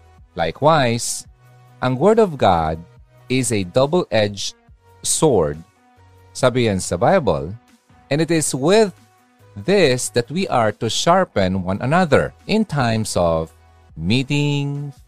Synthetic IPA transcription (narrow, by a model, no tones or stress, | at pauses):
la̰jkʰwajs | ʔɐ̃ŋwɜɹd̪ɔvɡa̰d̪̚ | ɪzed̪ʌbəlʔɛd͡ʒ | sɔɹd̪̚ | sabɪɡãnsd̪ɐbajbə̰l | ʔɛ̃nɪt̪ɪswɪðː | ɪsd̪ɐt̪̚wiʔaɹt̪uʃaɹpɛ̃nwʌ̃nʔɐnʌðə̰ɹʔɪ̃nt̪ʰãɪmsɔv | miːt̪ɪŋ